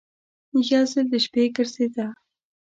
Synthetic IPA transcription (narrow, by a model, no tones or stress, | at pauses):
jɑzɪld̪əʃpekəɾsed̪a